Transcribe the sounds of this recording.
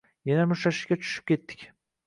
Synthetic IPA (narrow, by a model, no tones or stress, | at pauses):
janamʊʃaʃɪ̥ʃkʲat͡ʃʰʊ̥ʃy̥p̚kʲʰe̞t̪ːɪ̥kʲ